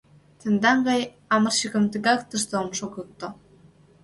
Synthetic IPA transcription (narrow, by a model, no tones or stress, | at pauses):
t̪ə̆nd̪ɑŋɡɑj | ɑmɤ̆rɕəɣə̆mt̪ə̆ɡɑkt̪ə̆ʃt̪oomʃoɣɤ̆k̚t̪o